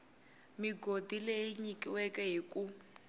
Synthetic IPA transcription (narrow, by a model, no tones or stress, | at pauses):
miɡodileiɲikʼiwɛkɛɦikʼu